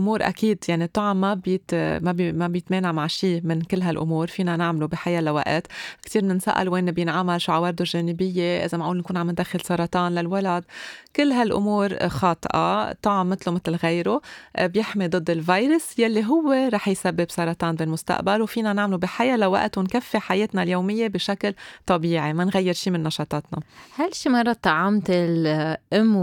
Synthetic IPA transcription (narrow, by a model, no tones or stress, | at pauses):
ʔʊmuːɾʔa̰kiːd̪jaʕnit̪ˤːɑʕmːabjɪt̪mabmabjɪt̪meːnaʕmaʕʃiːmɪnkɪlːɦalʔʊ̰muːɾfiːnanɪʕmlubiħajalawa̰ʔt̪kt̪iːɾnɪnsa̰ʔa̰lweːnbjɪnʕamalʃuʕawɑɾd̪oʒeːnɪbɪjːeʔɪ̰zamaʕʔuːlnkuːnʕamɪnd̪axɪlsɑɾˤɑt̪ˤɑːnlalwalad̪kɪlːɦalʔʊ̰muːɾxɑːt̪ˤʔɑ̰t̪ˤːɑʕmːɪt̪lomɪt̪lɣejɾobjɪħmid̪ˤɨd̪ˤːɪlvɑːjɾɪsjalːiɦʊwːeɾˤɑːħjsabːɪbsɑɾˤɑt̪ˤɑːnbilmʊst̪a̰ʔbalwfiːnanaʕmlubiħajalawa̰ʔt̪unkafːiħajeːt̪naljoːmɪjːebɪʃaklt̪ˤɑbiːʕimanɣajːɪɾʃiːmɪnːɑʃɑːt̪ˤɑːt̪nɑhalʃiːmɑrˤːɑt̪ːɑʕamt̪ɪlʔɪmː